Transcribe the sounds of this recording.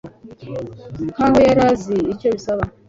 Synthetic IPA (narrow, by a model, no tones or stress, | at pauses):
kaɦujaɾaziit͡ʃoɾisaβa